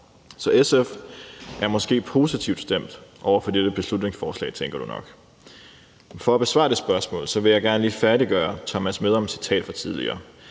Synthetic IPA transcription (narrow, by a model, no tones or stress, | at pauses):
sɒ̽ʔesefʔæɐmɒ̽sɡ̥e̝̰ːpʰo̝ːsit͡sʰiʊd̥sd̥em̰d̥ʔɒʊɐfɒ̽d̥eɾ̥əb̥e̝slud̥ne̝ŋsfɒːslɛ̰ːt͡sʰeŋɡ̥ɐd̥unɒ̽ɡ̥ | fɒ̽æb̥e̝sʋɑ̈ːd̥e̝̥sb̥ɶɐsmɔ̰ːlsɒ̽ʋe̝jɑ̈ɪɡ̥æɐnəliːfæɐɾiɡ̥ɶːɐt͡sʰɒmæsmeðˠɒ̽msi̥t͡sʰɛ̰ːd̥fɒt͡sʰiðˠlḭɐ̰ː